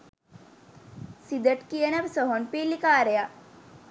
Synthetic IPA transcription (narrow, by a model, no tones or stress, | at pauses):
sid̪əʈkiənɐbsɔɦonpelikaːɾja